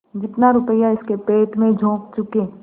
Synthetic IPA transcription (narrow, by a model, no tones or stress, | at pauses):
d͡ʒɪt̪naɾʊpəjaɪskepeːʈmẽd͡ʒʱõːk̚t͡ʃʊkeː